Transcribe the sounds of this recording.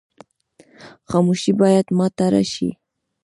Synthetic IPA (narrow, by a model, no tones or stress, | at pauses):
xɑmuʃibɑjad̪mɑt̪aɾa̰ʃḭ